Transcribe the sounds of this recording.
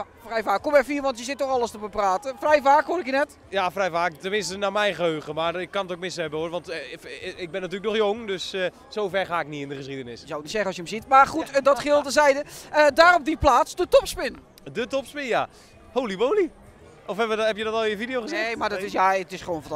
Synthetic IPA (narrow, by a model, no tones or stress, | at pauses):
frɛjfaːkːɔmɛfiːʋɑntjəzɪtːɔχɑlˠəstəbəpraːtəfrɛjfaːkhʊɾɪkjənɛt | jafrɛjfaːktəmɪnstənaːmɛjnχəɦøɥχəmarɪkːɑnətok̚mɪshɛbəoːrʋɑnt | ɪɡ̚bɛnat̬yːləknɔxjoŋdøs | sowfɛrχaːɪk̚nitɪndəχəsidənɪsjəzɔwknitsɛχənɔsjəəmzitmarχutdɔtχɪːlˠtəzɛjdəədaːɾɔp̚diplaːtsdətɔpspɪn | dətɔpspɪnja | howlibowli | ɔfɛbəhɛpjədɔtɔlˠɪnjəvidjowχəzɪejmadɔɪsjaətɪsχəʋownf